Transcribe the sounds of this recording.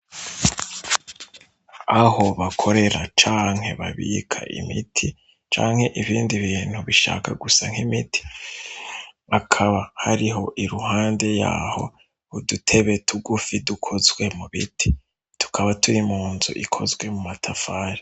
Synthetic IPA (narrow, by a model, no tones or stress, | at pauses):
aho̞βakʰo̞ɾe̞ɾat͡ʃaːŋ̥he̞̰βaβḭːkʰa̰ʔḭmitʰi | t͡ʃa̰ːŋ̥he̞ʔiβiːndiβiːn̥huβiʃa̰ka̰ɡusaŋ̥himitʰi̥ | akʰaβahaɾiɦo̞ʔiɾuhaːnde̞ja̰ːho̞̰ | udutʰe̞βe̞tʰuɡufidukʰo̞zɡwe̞muβḭtʰi̥ | tʰu̥kʰaβatʰuɾimuːnzṵʔikʰo̞zɡwe̞mumatʰafaːɾi